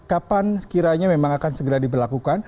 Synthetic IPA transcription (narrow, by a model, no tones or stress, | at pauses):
kapansə̥kiɾaɲamemaŋakansəɡəɾadibərlakukan